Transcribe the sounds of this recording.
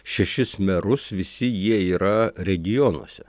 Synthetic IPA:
ʃʲɛʃʲɪsmʲɛɾʊsʋʲɪsʲɪjiɛiːɾɐɾʲɛɡʲɪjonṵɔsʲɛ

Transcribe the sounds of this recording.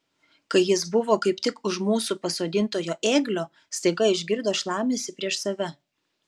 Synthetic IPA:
kɐɪjɪs̬bʊʋoːkɐɪp̚t̪ʲɪkʊʃmuːsupɐsoːd̪ʲɪnt̪oːjoːʔeːɡlʲoː | st̪ɐɪɡɐɪʒʲɡʲɪɾd̪oːʃlˠɑːmʲeːsʲɪpʲɾʲiɛʃsɐʋʲɛ

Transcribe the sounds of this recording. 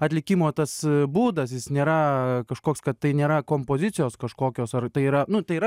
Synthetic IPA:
ɐt̪ʲlʲɪkʲimoːt̪ɐsbuːd̪ɐsjɪsnʲeːɾɐkɐʃkoːkskɐt̪t̪ɐɪnʲeːɾɐkoːmpoːzʲɪt͡sʲɪjoːskɐʃkoːkʲoːsɐrt̪ɐɪiːɾɐnʊt̪ɐɪiɾɐ

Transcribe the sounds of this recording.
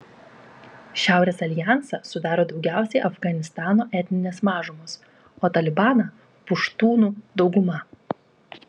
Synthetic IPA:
ʃʲæˑʊɾʲeːsɐlʲɪjɑˑnsɐsʊd̪ɑːɾoːd̪ɒʊɡʲæˑʊsʲɛɪʔɐfɡɐnʲɪst̪ɑːnoːʔɛt̪ʲnʲɪnʲɛsmɑːʒʊmoːs | oːt̪ɐlʲɪbɑːnɐ | pʊʃt̪uːnuːd̪ɒʊɡʊmɐ

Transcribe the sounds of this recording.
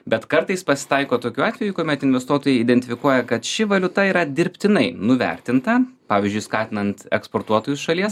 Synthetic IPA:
bʲɛt̪kɐɾt̪ɐɪspɐsʲɪ̥t̪ɐɪkoːt̪oːkʲuːɑːt̪ʲʋʲɛjuːkuɔmʲɛt̪ɪnʲʋʲɛst̪uɔt̪oːjɛɪɪd̪ʲɛnʲt̪ʲɪfʲɪkuɔjɛkɐt̪ʃʲɪʋɐlʲʊt̪ɐiːɾɐd̪ʲɪɾʲpʲt̪ʲɪnɐɪnʊʋʲɛ̰ɾʲt̪ʲɪnt̪ɐpɑːʋʲiɪzʲd͡ʒʲʊɪskɑːt̪ʲɪnɐnt̪ɛ̰kspoːɾt̪uɔt̪oːjʊsʃɐlʲiɛs

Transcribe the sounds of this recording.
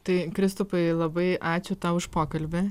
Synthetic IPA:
t̪ɐɪkɾʲɪst̪ʊpɐɪlˠɐbɐɪʔɑːt͡ʃʲʊt̪ɑʊʊʃpoːkɐlʲbʲɪ

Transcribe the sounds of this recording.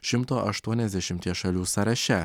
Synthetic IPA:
ʃʲɪmt̪oːʔɐʃt̪uɔnʲɛzʲd̪ʲɛʃʲɪmʲt̪ʲiːʃɐlʲuːsɐɾɐʃʲɛ

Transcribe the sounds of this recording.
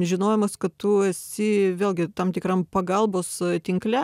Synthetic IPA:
ʒʲɪnoːjɛmɐskɐtt̪ʊɛsʲɪʋʲeːlˠʲɡʲɪt̪ɐmt̪ʲɪkrɐmpɐɡɐlˠboːst̪ʲɪŋklʲɛ

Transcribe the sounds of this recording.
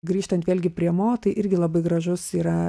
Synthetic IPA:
ɡɾʲiːʃt̪ɐnt̪ʋʲeːlʲɡʲɪpʲɾʲiɛmoːt̪ɐɪʔɪɾʲɡʲɪlˠɐbɐɪɡɾɐʒʊsiːɾɐ

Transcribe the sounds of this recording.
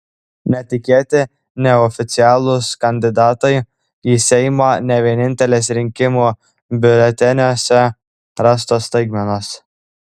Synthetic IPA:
nʲɛt̪ʲɪkʲeːt̪ʲɪ | nʲɛɔfʲɪt̪sʲɪɑːlˠʊskɐnʲd̪ʲɪd̪ɑːt̪ɐɪ | iːsʲɛɪmoːnʲɛʋʲiɛnʲɪnʲt̪ʲɛlʲeːsɾʲɪŋʲkʲɪmuː | bʲʊlʲɛt̪ʲɛnʲoːsʲɛ | ɾɑst̪oːst̪ɐɪɡmʲɛnoːs

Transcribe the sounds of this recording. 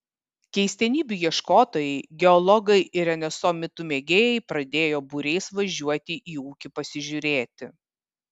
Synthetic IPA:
kʲɛɪsʲt̪ʲɛnʲiːbʲujiɛʃkoːt̪oːjɛɪɡʲɛɔlˠɔɡɐɪɪɾʲɛnʲɛsomʲɪt̪ʊmʲeːɡʲeːjɛɪpɾɐd̪ʲeːjoːbuɾʲɛɪsʋɐʒʲuɔt̪ʲɪʔiːuːkʲɪpɐsʲɪʒʲʊɾʲeːt̪ʲɪ

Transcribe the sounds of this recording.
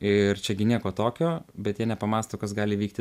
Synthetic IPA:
ɪrt͡ʃʲɛɡʲɪnʲiɛkoːt̪oːkʲoːbʲɛt̪jiɛnʲɛpɐmɑːst̪oːkɐsɡɑːlʲɪʋʲiːk̚t̪ʲɪ

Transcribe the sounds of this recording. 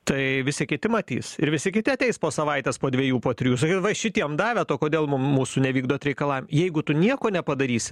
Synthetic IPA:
t̪ɐɪʋʲɪsʲɪkʲɪt̪ʲɪmɐt̪ʲḭsɪɾʋʲɪsʲɪkʲɪtʲɪɐt̪ʲɛɪspoːsɐʋɐɪt̪ʲeːspoːd̪ʲʋʲiɛjuːpoːt̪ʲɾʲɪjuːsɐkitʋɐʃʲɪt̪ʲiɛmd̪ɑːʋʲɛt̪oːkoːd̪ʲeːlˠmʊmmuːsʊnʲɛʋʲiːɡd̪oːt̪ɾʲɛɪkɐlˠɑːʋʲɪmjɛɪɡʊt̪ʊnʲiɛkoːnʲɛpɐd̪ɐɾʲiːsʲɪ̥

